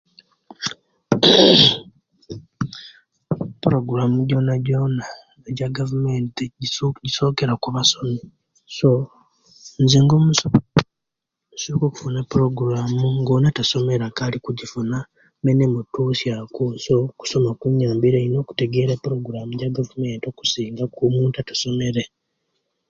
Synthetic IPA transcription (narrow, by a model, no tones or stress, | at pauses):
puɾoɡuɾamuɟo̞naɟona | eɟaɡavumentiɟiɟiso̞ːkeɾakuβaso̞me | so | nzeŋɡom | musukoku̥funapuɾoɡuɾamuŋɡoːnataso̞meɾakalikuɟifuna | menemutuːsjakusoku̥so̞makuɲaːmbiɾeino̞ːku̥te̞ɡe̞ːɾepɾo̞ɡuɾamuɟaɡavume̞ːnto̞ku̥siːŋɡakumuːntatḁso̞me̞ɾe